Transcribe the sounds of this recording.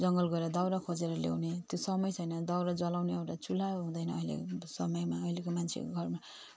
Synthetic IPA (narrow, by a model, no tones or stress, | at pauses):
d͡zʌŋɡʌlɡʌeɾʌd̪awɾakʰod͡zeɾʌlḛwnet̪josʌmʌjt͡sʰʌjnʌd̪awɾad͡zʌlawneʌwʈat͡sulaɦũd̪ʌjnʌːjlḛsʌmʌjmaʌjlekomant͡sʰḛɡʱʌrma